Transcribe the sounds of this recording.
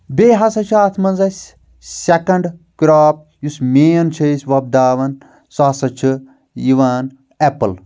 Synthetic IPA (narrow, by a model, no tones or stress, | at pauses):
beːɦɐsɐt͡ʃʰaːt̪ʰmɐnzɐsʲ | sekɐɳɖkɾaːp̚ | jusmeːɐnt͡ʃʰɐisʲʋɐb̚d̪aːʋɐn | sasɐt͡ʃʰi | jiʋaːn | epɨl